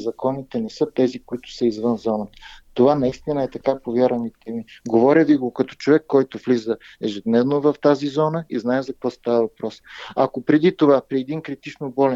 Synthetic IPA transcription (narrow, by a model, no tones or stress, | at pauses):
zɐkʰɔnit̪ɛnɛsɤt̪ɛzikoit̪ʊ̥səizvɤnzɔnət̪ovanɐist̪inəɛt̪ɐkapovjaɾɐnit̪ʰɛmiɡovɔɾʲəviɡokɐt̪ɔ̥t͡ʃovɛkːɔjt̪ʊvlizəɛʒɛd̪nɛvnovɐft̪azizɔnəiznaɛzɐk̚kvɔst̪avəvɐpɾɔsɐkopɾɛd̪it̪ovapɾiɛd̪inkɾit̪it͡ʃnobɔlɛ